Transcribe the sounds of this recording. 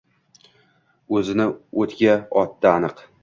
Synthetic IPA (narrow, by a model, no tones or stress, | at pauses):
ɵzɪnɪot̪ɡʲaɒt̪ːaːnɨq